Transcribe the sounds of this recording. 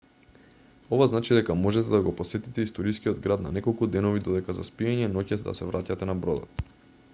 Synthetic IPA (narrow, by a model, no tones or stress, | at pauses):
ɔvaznat͡ʃid̪ɛkamɔʒɛt̪ɛd̪aɡɔpɔsɛt̪it̪ɛist̪ɔɾiskiɔd̪ɡɾad̪na̰nɛkɔlˠkud̪ɛnɔvid̪ɔd̪ɛkaza̰spiɛɲɛnɔcɛd̪a̰sɛvɾacat̪ɛnabɾɔd̪ɔ̰t̪